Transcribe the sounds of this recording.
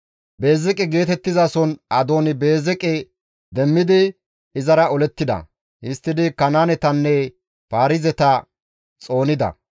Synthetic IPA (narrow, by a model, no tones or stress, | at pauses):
be̞ːzɛkʼɛɡe̞ːt̪ɛt̪ːɪzasɔnɐd̪o̞ːnɪbe̞ːzɛkʼɛ | d̪ɛmːɪd̪ɪ | ɪzɐɾɐɔlɛt̪ːɪd̪ɐ̰ | hɪst̪ːɪd̪ɪkɐnaːnɛt̪ɐnːɛ | paːɾɪzɛt̪ɐ | t͡sʼo̞ːnɪd̪ɐ̰